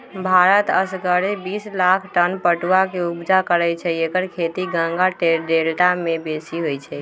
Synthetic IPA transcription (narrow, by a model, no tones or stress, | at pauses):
bʱaɾət̪əsɡəɾebislakʰʈənpəʈuwakeubd͡ʒakəɾɛt͡ʃʰɛekəɾkʰet̪iɡə̃ŋɡaʈeɾɖelʈamebesiɦojt͡ʃʰɛ